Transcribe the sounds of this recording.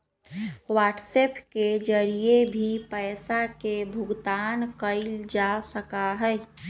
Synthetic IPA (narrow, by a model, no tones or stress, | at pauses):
waːʈseːpked͡ʒəɾiebʱipəːsakebʱʊɡt̪aːnkəɪld͡ʒasəkaɦɛ